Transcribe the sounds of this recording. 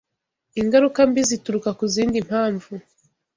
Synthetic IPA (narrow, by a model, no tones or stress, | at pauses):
iŋɡaɾukambizituɾukakuziːndim̥haːɱvu